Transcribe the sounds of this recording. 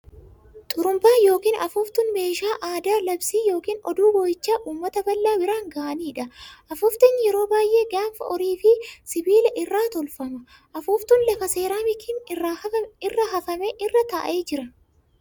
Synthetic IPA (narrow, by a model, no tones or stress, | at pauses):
t̪ʼʊɾʊmbaːjo̞ːkiːnʔɐfʊːft̪ʊnme̞ːʃaːʔaːd̪aːlɐbsiːjo̞ːkiːnɔ̰d̪uːbɔjɪt͡ʃːaːʔuːmːɐt̪ɐbɐlːaːbɪɾaːŋɡɐːʔɐniːᶑɐʔɐfʊft̪ɛnjɛɾo̞ːbaːjʔe̞ːɡaːnfɐ̰ɔɾiːfɪsɪbiːlɛʔɪrːaːt̪ɔlfɐmɐ | ʔɐfuːft̪ʊnlɐfɐse̞ːɾaːmɪkʰɪnɪrːɐɐɪrːɐɦɐfɐmeːʔɪrːɐt̪ɐʔɐ̰ʔeːd͡ʒɪɾɐ